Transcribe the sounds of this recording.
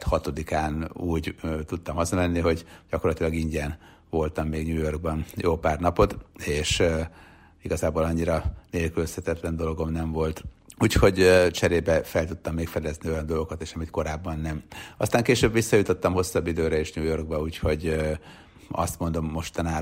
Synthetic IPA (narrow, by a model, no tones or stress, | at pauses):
t̪hɒt̪o̞d̪ikaːnuːɟt̪ut̪ːɒmɒzɒmɛnːiɦo̞ɟɟ̥ɒkorlːɒt̪ilɒɡiɲɟɛn | vo̞lt̪ɒmːeːɡɲuːjo̞rɡ̚bɒnjoːpaːrnɒpo̞t̪eːʃ | iɡɒzaːboːlɒɲːiɾɒneːlkyløshɛt̪ɛt̪lɛnd̪o̞loɡo̞mnɛɱvo̞lt̪ | uːcho̞ɟt͡ʃɛɾeːbɛfɛlt̪ut̪ːɒmːeːkfɛd̪ɛznio̞jɒnd̪o̞lɡo̞kɒt̪eːʃɛmit̪ko̞ɾaːbːɒnːɛmɒst̪aːŋkeːʃøːbʋisːɒjut̪o̞t̪ːɒmho̞sːɒbːid̪øːɾɛeːʃɲuːjo̞rɡ̚bɒuːcho̞ɟ | ɒ̰st̪mo̞nd̪o̞mːo̞ʃt̪ɒnaː